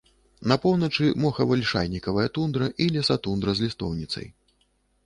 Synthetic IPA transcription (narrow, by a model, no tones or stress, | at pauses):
nɐpɔwnɐt͡ʂɨmɔxɐvɐlʲʂa̰jnʲikɐvɐjɐt̪und̪ɾɐʔilʲɛsat̪und̪ɾɐzʲlʲist̪ɔwnʲit̪sɐ̰j